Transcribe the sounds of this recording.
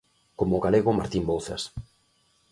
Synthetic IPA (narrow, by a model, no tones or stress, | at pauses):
komoɣaleɣʊmaɾt̪imbolθa̰s